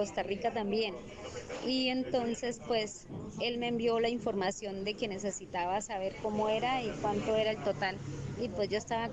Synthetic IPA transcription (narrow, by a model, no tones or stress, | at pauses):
o̞st̪arikat̪ambje̞n | ie̞nt̪o̞nse̞spwe̞s | e̞lme̞ːmbjo̞laiɱfo̞ɾmasjo̞nd̪e̞ke̞ne̞se̞sit̪aβasaβ̞e̞ɾko̞mo̞e̞ɾaikwant̪o̞e̞ɾae̞lt̪o̞t̪alipwe̞zd͡ʒo̞est̪aβa